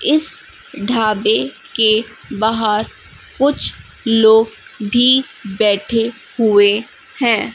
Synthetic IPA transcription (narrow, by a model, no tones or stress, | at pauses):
ɪs | ɖʱaːbe | ke | baɦəɾ | kʊt͡ʃʰ | loːɡbʱi | bɛːʈʰe | hʊe | hɛ̃ː